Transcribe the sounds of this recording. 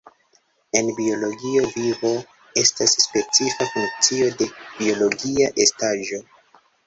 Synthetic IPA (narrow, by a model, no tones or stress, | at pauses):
e̞nbio̞lo̞ɡiovivo̞ | e̞stasːpe̞t͡sifafuŋk̚t͡sio̞de̞bio̞lo̞ɡiaʔe̞staʒo̞